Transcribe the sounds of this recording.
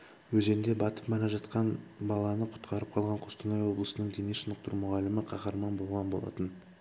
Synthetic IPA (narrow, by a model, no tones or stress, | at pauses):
wɵze̞nnd̪e̞bɑt̪ə̥pmɑɾɑʒɑt̪qɑnbɑlˠɑnəqʰʊ̥t̪qʰɑɾəp̚qʰɑlˠʁɑɴqʰost̪ənɑjwo̞blˠəsənəɴd̪ʰenesʃənəq̚t̪əɾumʊʁɑlːɪmɪqʰɑχɑɾmɑnbo̞lˠʁɑnbo̞lˠɑ̰t̪ən